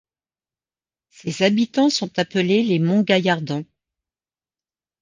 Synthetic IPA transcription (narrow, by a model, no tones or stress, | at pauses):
sezabit̪ɑ̃sɔ̃t̪apəlelemɔ̃ɡajaʁd̪ɑ̃